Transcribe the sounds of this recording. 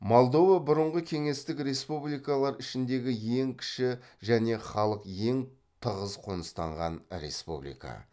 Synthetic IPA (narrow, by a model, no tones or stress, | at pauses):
mo̞lˠd̪o̞vabʊɾəɴʁəkʲʰe̞ŋe̞st̪ɪkɾe̞spublijkalˠɑɾɪʃɪnd̪e̞ɡʲɪje̞ŋkʲʰɪ̥ʃɪ | ʒæne̞χɑlˠəqje̞ŋ | t̪ʰəʁəzqʰo̞nəst̪ɑɴʁɑ̰nɾe̞̰spṵblḭjkɑ̰